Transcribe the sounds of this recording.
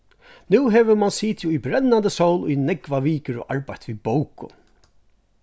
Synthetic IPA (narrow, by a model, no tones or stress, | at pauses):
nʉwɦɛʋəmansiːt̪ʰjuujbɾɛnːant̪əsowlʊjnɛkvaʋiːkəɾɔ̰ʔaɹpajt̪ʋibowkʊ̰